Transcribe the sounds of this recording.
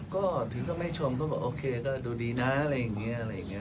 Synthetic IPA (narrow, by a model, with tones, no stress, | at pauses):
kɔː˥˩t̪ʰɯ˩˦kɔː˥˩ma˥˩jt͡ɕʰo˧mk̬ɔː˥˩bɛː˨˩ʔoː˧kʰeː˧kɔː˥˩duː˧diː˧na˦˥a˧ɾa˧jːa˨˩ŋːi˦˥ɐʔa˧ɾa˧ja˨˩ŋːi˦˥˩